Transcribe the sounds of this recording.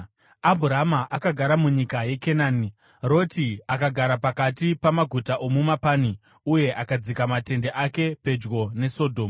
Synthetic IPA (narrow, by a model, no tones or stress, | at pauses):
abʱuɾamaʔakaɡʱaɾamuɲikaje̞kenaːni | ro̞tiakaɡʱaɾapakatipamaɡʱutaʔomumapaːni | uje̞ʔakad͡zikamate̞nde̞ʔake̞pe̞d͡ʒɡo̞ne̞so̞dʱo̞ːm